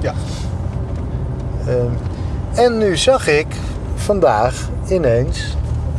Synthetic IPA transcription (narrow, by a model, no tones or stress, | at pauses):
ɛnːyzɑχɪk | fɑndaːx | ɪnejns